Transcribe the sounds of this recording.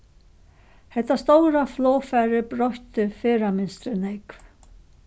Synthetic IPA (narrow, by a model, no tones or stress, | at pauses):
hɛht̪ːast̪owɾaflɔːfæːɾɪbɾɔht̪ɪfeːɾamɪnst̪ɾɪnɛkv